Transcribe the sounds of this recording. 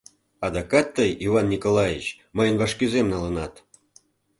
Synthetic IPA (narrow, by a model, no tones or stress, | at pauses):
ɑd̪ɑkɑt̪ːəjivɑnːʲikolɑjit͡ɕ | məjənvɑʃkyzemnɑlənɑt̪